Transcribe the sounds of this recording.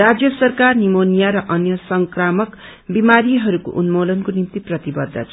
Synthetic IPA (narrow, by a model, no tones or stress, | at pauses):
rad͡zjʌsʌrkarnimonijaɾʌʔʌnjʌsʌŋkramʌk | bimaɾiɦʌɾuko̰ʔunmolʌnkonimt̪iprʌt̪ibʌd̪ʱːʌ̰t͡sʰ